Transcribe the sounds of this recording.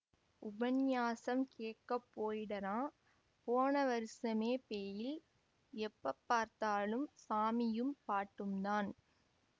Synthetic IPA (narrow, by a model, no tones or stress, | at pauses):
ʊbɐnjaːsɐmkeːʈkːɐpːoːjɪɽɐɾãː | poːnɐʋɐɾɪsɐmeːpeːjɪl | ɛpːɐpːaːɾt̪aːlɯmsaːmɪjɯmpaːʈːɯmd̪aːn